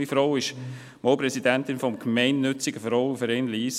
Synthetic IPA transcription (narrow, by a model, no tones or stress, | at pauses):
ifɾowɪʃ | mɔːpɾɛsidæntɪnfɔmkmɛɪnːʏt͡sɪɡəfɾɔʊufəɾɛnliːs